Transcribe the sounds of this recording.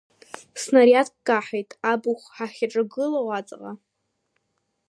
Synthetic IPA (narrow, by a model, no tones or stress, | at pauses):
snaɾiatʰkʼkʼaħejtʼabuχʷħaχʲaʈ͡ʂʼaɡɨlawat͡sʼqʼa